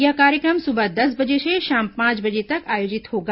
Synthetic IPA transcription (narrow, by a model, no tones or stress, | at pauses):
jɐkaːɾjəkɾəmsʊbəd̪ɐsbɐd͡ʒeseʃãːmpãːt͡ʃbɐd͡ʒet̪ɐkaːjoːd͡ʒɪt̪ɦoːɡa